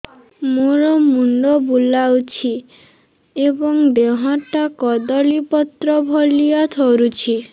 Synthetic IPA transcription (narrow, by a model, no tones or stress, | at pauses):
moɾɔmuɳɖɔbulawt͡ʃʰi | ebɔŋd̪eɦɔ̃ʈakɔd̪ɔɭipɔt̪ɾɔbʱɔlijɔt̪ʰoɾut͡ʃʰi